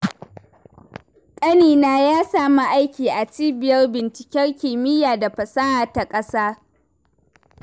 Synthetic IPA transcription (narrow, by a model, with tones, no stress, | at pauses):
kʼɐ˦niː˨naː˦jaː˦saː˦ma˦ʔa˦jkʲiː˨ʔa˨t͡ʃiː˦bɪ˨jɐ˦rbɪ˨nt͡ʃɪ̥˨kʲɛ˦rkʲɪː˨mɪ˦jaː˨da˨ɸɐ˨sɐ˦haː˨ta˨kʼɐ˦saː˦